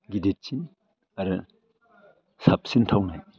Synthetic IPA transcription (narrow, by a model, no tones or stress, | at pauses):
ɡidet̚t͡ʃin | aɾɯ | sap̚sintʰawnaj